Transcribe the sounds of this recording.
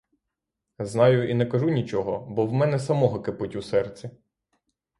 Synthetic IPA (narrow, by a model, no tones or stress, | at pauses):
znɑjʊinɛkɐʒunʲit͡ʃɔɦɔbɔwmɛnɛsɐmɔɦɔkɪpʊtʲusɛrt͡sʲi